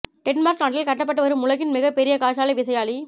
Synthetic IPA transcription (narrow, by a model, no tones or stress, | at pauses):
ʈɛnmaːɾknaːʈːɪlkɐʈːɐpːɐʈːɯʋɐɾɯmʊlɐɣɪnmɪɣɐpːɛɾɪjɐkaːt͡ʃaːlɐɪʋɪsɐjaːɭi